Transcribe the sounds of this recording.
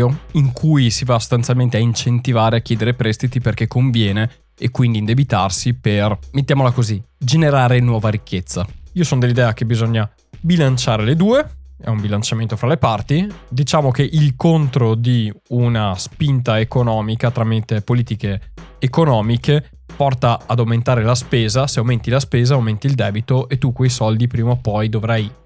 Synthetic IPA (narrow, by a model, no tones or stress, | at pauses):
oiŋkʰujsivaso̥st̪ant̪sjalment̪eaint͡ʃent̪ivaːɾeakjɛːd̪eɾepɾɛst̪it̪iperkekʰːoɱvjɛːne | ekːwind̪iːnd̪ebit̪arsipermet̪ːjaːmolakozid͡ʒeneɾaːɾenwɔːvaɾikːet̪sːaiːosonod̪elːid̪ɛːakebizoɲːa | bilant͡ʃaːɾeled̪uːeɛ̰umbilant͡ʃament̪ofɾalepart̪id̪it͡ʃaːmok̟eʔilkont̪ɾod̪iunaspint̪aekonɔːmikat̪ɾamit̪epoliːt̪ikeːkonɔːmike | pɔrt̪aːd̪awment̪aːɾelaspeːzaseawment̪ilaspeːzaawment̪iːld̪ɛːbit̪oʔet̪ːukːwejsɔld̪ipɾiːmaopɔjd̪ovɾaj